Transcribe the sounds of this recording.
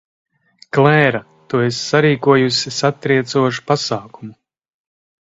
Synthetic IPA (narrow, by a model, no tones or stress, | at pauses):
klˠɛːɾa | t̪uesːaɾiːkuɔjusisat̪ːɾiɛt̪suɔʃu̥pasaːkumu